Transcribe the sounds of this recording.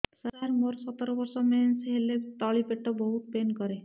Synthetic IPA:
saɾaɾmoɾsɔt̪ɔɾɔbɔɾsɔmensɦelet̪ɔɭipeʈːɔbɔɦut̪̚penkɔɾe

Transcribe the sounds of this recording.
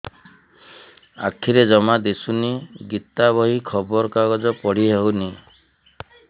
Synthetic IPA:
a̰kʰiɾed͡ʒɔmad̪esuniɡit̪abɔɦikʰɔbɔɾɔkaɡɔd͡ʒɔpɔɽ̤iɦewni

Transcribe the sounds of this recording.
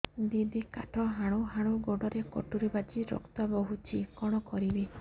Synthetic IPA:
d̪id̪ikaʈʰɔɦaɽ̃uɦaɽ̃uɡoɖɔɾekɔ̰ʈuɾebat͡ʃiɾɔ̰kt̪ɔbɔɦut͡ʃʰikɔɽ̃ɔkɔɾibe

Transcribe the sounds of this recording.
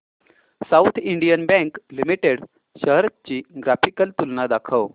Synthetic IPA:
saut̪ʰiɳɖijənbɛ̃ŋklimiʈeɽ | ɕəɦɾət̪̚t͡ɕiːɡɾafikəlt̪ulnad̪akʰəw

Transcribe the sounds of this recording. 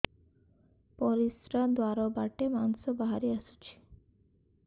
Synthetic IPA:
pɔɾisɾad̪waɾobaʈemansobaɦaɾiaʃu̥t͡ɕʰi̥

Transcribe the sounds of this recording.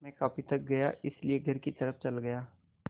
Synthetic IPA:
mɛ̃ːkaːpit̪ək̚ɡɐja̰ːʔɪslieɡʱəɾkit̪əɾəfʰt͡ʃəlɡɐjaː

